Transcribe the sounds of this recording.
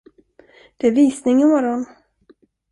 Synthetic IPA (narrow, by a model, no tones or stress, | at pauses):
d̪̥ɛæɾviːsnɪŋɪmɔɾɔn